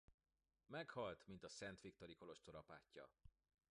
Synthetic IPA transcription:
mɛkhɒlt̪mint̪ɒsɛnt̪ʋik̚t̪o̞ɾiko̞lo̞ʃt̪o̞ɾɒpa̰ːcːɒ̰

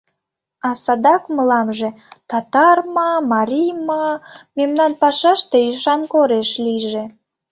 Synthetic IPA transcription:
ɑsɑd̪ɑkməlɑmʒe | t̪ɑt̪ɑrmɑmɑɾʲijmɑmemnɑnpɑʃɑʃt̪eyʃɑnkoɾeʃliʒĕ

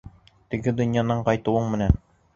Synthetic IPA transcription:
t̪ɘ̆ɡɘd̪ɵ̆njɑnɑɴqɑjt̪ɤ̆wɤɴmɘ̆næn

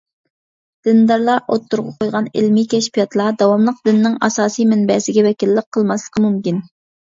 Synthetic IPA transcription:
d̪̥ɪnd̪ɑɾlˠɑʔo̰t̪ʰːuɾʁɑqʰojʁɑnɪ̰lmikʲʰɛʃpijɑt̪ʰlˠɑd̪ɑwɑmlˠəq̚d̪ɪnːɪŋɑ̰sɑːsijmɪnbɛsɪɡʲɛvɛkʲilːɪqʰːəlˠmɑslˠəqʰəmumkʲin

